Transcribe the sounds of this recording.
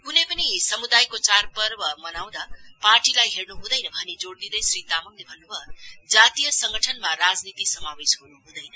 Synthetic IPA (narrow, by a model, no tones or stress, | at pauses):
kunejpʌnisʌmud̪ajkot͡sarpʌrbʌmʌnaw̃d̪aparʈilajɦernuɦũd̪ʌjnʌbʱʌnid͡zoɽd̪id̪ʌjsɾit̪amʌŋlebʱʌnːubʱʌd͡zat̪ijʌsʌŋɡʱʌʈʰʌnmaɾad͡znit̪isʌmabesɦunuɦũd̪ʌjnʌ